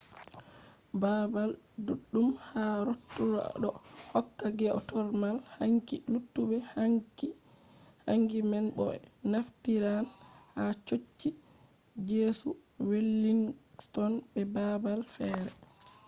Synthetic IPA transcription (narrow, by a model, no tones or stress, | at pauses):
babalduɗːumhaɾotːuɾa̰ɗɔhɔkːaɡɛɔtɔɾmalhaŋkilutːubɛhai | ha̰ŋɡimɛnɓɔ̰ɛ̰naftiɾanhat͡ʃot͡ʃːi | d͡ʒeːsuwelːiŋstɔnɓɛbabalfɛːɾɛ